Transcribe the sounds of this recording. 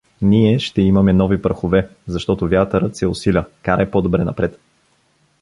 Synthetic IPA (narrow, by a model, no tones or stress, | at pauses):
niɛʃt̪ɛimɐmɛnɔvipəɾxovɛzɐʃt̪ɔt̪ovʲjat̪əɾət̪sɛʊsilʲəkaɾɛpod̪obɾɛnɐ̰pɾɛt̪